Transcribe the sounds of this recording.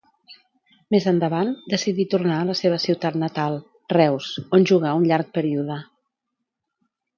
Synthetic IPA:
mezənd̪əβand̪əsiðit̪urnaələseβ̞əsiwt̪at̪nət̪alˠ | rɛwsonʲʒuɣ̞aunʎaɾk̚pəɾiuðə

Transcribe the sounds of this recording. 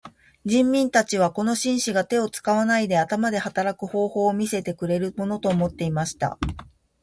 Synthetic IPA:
d͡ʑĩmːʲĩnt̪at͡ɕiβ̞ako̞no̞ɕĩɰ̃ɕiɡat̪e̞o̞t͡sɨ̥kaβ̞anaid̪e̞at̪amad̪e̞hat̪aɾakɯ̟ho̞ːho̞ːmʲise̞t̪e̞kɯ̟ɾe̞ɾɯ̟mo̞no̞t̪o̞ːmo̞t̪ːe̞imaɕi̥t̪a̰

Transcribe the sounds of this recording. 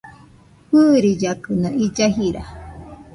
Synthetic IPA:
hɨɾid͡ʒakɨnõid͡ʒaɦiɾa̰

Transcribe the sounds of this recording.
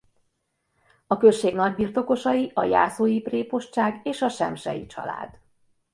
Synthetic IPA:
ɒkø̞ʃeːɡnɒɟ̚birt̪o̞ko̞ʃɒjiʔɒ̰ja̰ːsoːjipreːpo̞ʃt͡ʃaːɡeːʃɒʃɛ̰mʃɛ̰jḭt͡ʃɒ̰la̰ːd̪̥

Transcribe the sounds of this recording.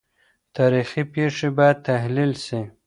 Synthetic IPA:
t̪aːɾixipeːʂibajad̪̚t̪aɦlilsi

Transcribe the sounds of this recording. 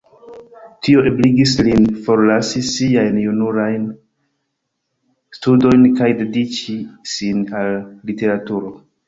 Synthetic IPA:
tio̞ʔebliɡislinfo̞ɾlasisiajnjunuɾajn | studo̞jnkajde̞dit͡ʃisinalːite̞ɾatuɾo̞

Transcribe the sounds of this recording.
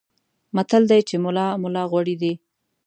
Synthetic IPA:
mat̪əld̪ajt͡ʃemʊlɑmʊlɑɣwaɽid̪i

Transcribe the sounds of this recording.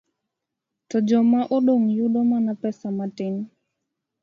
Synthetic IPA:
tɔd͡ʒɔmaʔoɗoŋjuɗɔmanapɛsamatɪn

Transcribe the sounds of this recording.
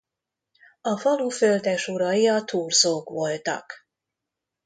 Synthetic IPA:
ɒfɒluføld̪ɛʃuɾɒiɒt̪uːrzoːkʋo̞lt̪ɒ̰k

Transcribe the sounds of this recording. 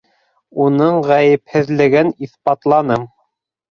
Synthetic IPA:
unɤɴʁæjɘ̆phɘ̆ðlɘ̆ɡɘniθbɑt̪lˠɑnɤm

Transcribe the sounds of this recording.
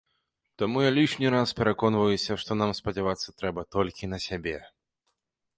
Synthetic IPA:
t̪amujalʲiʂnʲiɾaspʲɛɾakɔnvɐjusʲɐʂt̪ɔnamspɐd͡zʲavat̪sːɐt̪ɾɛbɐt̪ɔlʲkʲinɐsʲabʲɛ

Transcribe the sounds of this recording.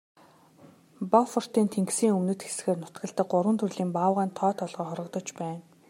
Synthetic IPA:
pɔfɔr̥t̪iːnt̪ʰeŋɡsiːŋɵmnɘ̆t̪xe̥sɡeːrnʊ̥t̪ɡə̆ɬt̪ə̆k̚ɢʊɾwə̆nt̪ʰɵɮiːmpaːwʁaːnt̪ʰɔːt̪ʰɔɮʁɔːχɔɾʁɞ̆kt̪ɞ̆t͡ɕpæːn

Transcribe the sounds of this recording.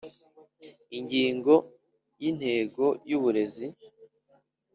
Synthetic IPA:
iɲɟiːŋɡo̞ | jin̥he̞ːɡo̞juβuɾe̞zi

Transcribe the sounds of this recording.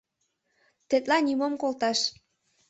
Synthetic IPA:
t̪et̪lɑnimomkolt̪ɑʃ

